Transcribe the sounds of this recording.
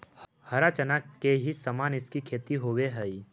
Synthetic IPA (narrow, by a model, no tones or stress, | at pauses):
hɐɾat͡ʃənakːeɦisəmaːnɪskikʰeːt̪iɦoːweɦəi